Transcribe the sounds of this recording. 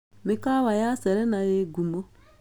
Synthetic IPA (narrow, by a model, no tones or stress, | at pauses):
mekawajasɛɾɛnajeɡumo